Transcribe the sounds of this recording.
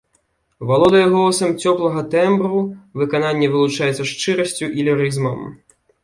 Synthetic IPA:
valˠɔd̪ɐjɐɣɔsɐmt͡sʲɔplˠɐɣɐt̪ɛmbɾuvɨkananʲːɛvɨlˠut͡ʂajɛt̪sɐʂt͡ʂɨɾɐsʲt͡sʲuʔilʲiɾɨzmɐm

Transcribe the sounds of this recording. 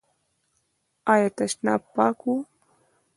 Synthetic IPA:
ajat̪aʃna̰paːku

